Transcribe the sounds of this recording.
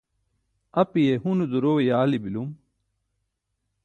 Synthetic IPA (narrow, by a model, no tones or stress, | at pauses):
ɐpijeɦunud̪uɾowejaːlibilum